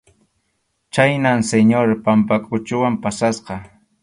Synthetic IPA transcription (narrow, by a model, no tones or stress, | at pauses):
t͡ʃajnaŋseɲoɾpampakʼʊt͡ʃʊwampasasqɑ